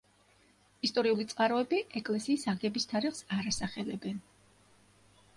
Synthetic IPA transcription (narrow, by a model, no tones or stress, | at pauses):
ist̪ʼɔɾiulit̪sʼqʼaɾɔɛbiɛkʼlɛsiːsaɡɛbist̪ʰaɾiχsaɾasaχɛlɛbɛn